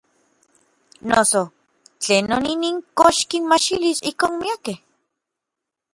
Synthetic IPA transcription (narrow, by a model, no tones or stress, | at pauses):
noso | t͡ɬeːnːoniniːŋkoʃkinmat͡ʃilisihkoːnmiakeh